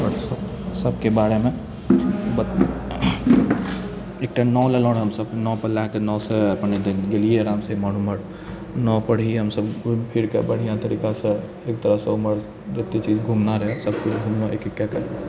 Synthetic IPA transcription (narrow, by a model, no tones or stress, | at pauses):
ɔɾsəsəbkebaːɾemẽ | b | ek̚ʈanɔːlelɔ̃ːɽɦəmsəbnɔːpəlakenɔːseɐpned̪ɡelijeɾaːmsemɔn̤uməɽ | nɔːpəɽ̤iɦəmsəbpʰiɾkebəɽ̤ijãt̪əɾiːkasẽ | eːk̚t̪əɾəɦseʊməɾ | d͡ʒet̪ːet͡ʃiːd͡ʒɡʱuːmnaɾəɦesəbkʊt͡ʃɡʱumnoekekːakəɾ